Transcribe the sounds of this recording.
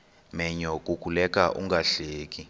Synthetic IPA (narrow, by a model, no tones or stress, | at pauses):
mɛɲɔkʼukʰʼulɛk̬ʼaʔṵŋɡaɬeːk̬ʼi